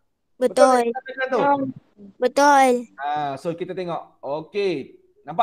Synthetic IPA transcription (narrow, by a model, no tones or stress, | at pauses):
bətt̪ʊlat̪ol | bət̪ʊlasokit̪at̪eŋɔʔoke | nãmpa